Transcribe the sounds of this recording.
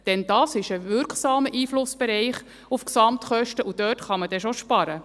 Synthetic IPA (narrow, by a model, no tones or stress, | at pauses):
d̥ɛnd̥ɑːsɪʃəvʏɾkχsɑːməʔiːflʊsb̥ɛɾɛɪχ | ufksɑmt̪χœʃtəʔud̥øːtχɑməd̥ɛʃoʃpɑɾə